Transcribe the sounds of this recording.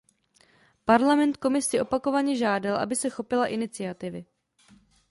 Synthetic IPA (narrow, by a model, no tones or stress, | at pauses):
paɾlamɛnt̪ko̞mɪsɪʔo̞pako̞vaɲɛʒaːdalʔa̰bɪsɛxo̞pɪlaʔɪnɪt͡sɪat̪ɪvɪ